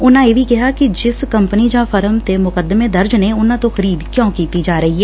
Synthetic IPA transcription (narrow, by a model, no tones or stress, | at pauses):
ʊnãjeːʋikɛɦakid͡ʒɪskəmpənid͡ʒãːfəɾəmt̪emʊkəd̪ːəmẽd̪əɾd͡ʒneʊnãt̪oxəɾiːd̪kjõːkiːt̪id͡ʒaːɾɐɦiɦɛː